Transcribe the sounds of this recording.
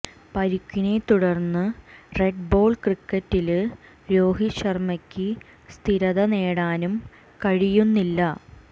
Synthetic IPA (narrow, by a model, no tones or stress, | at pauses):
pɐɾukʲːine̞t̪uɽɐrnːɨre̞ɖbo̞ːɭkrikːɐtːil | ɾo̞ːɦiɕɐrmɐkʲːɨ | st̪ʰiɾɐðɐneːɽaːnum | kɐɻijunːilːɐ